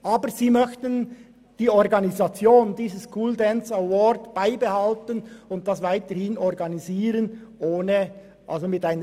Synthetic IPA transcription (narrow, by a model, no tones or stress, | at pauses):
ʔɑːbəɾziːmœçtən | d̥iːɔɾɡɑnizɑt͡sjoːndiːzəskʰʊldɛnsawɔɾdb̥aɪbehɑltənʊnt̚d̥ɑsvaɪtəɾhɪnɔɾɡɑniziːɾənʔoːnə | ʔɑ̰lzomɪtaɪnə